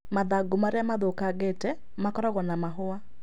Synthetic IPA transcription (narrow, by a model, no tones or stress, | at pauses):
maðaɡomaɾeamaðokaɡetɛ | makɔɾɔɣɔnamaɦoa